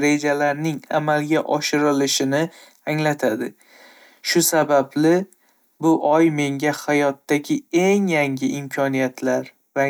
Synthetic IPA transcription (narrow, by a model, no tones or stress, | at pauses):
ɾe̞d͡ʒalaɾnɪŋamalɡʲaʔɒʃɪɾɪlɪʃɪnɪ | aŋlat̪ʰad̪ɪ | ʃʊsabablɪ | bʊʔɒjme̞ŋɡʲahajɒt̪ːaɡʲɪe̞ŋjaŋʲɪʔɪmkʲʰɒnijat̪ʰlaɾ | ɾa